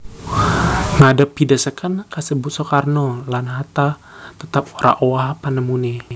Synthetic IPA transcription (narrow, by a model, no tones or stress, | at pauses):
ŋadapːidasəkankasəbusɔkarnɔlanɦat̪a | t̪ət̪ap̚oɾʔa̰ʔowaɦpanəmuni